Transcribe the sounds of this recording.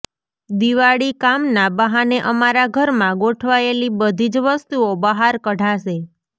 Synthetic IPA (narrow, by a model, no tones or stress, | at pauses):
d̪iʋaɭikamnabəɦaneʔəmaɾaɡʱəɾmãɡoʈʰʋaelibəd̪ʱid͡ʒʋəst̪uobəɦaɾkəɽʱaʃe